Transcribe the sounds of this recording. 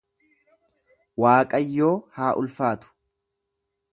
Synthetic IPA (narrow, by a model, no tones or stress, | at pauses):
waːkʼɐjːo̞ːhaːʔʊlfaːt̪ʊ̥